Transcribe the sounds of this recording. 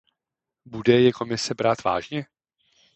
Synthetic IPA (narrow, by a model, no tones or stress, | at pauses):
budɛjɛko̞mɪsɛbɾaːt̪va̰ːʒɲɛ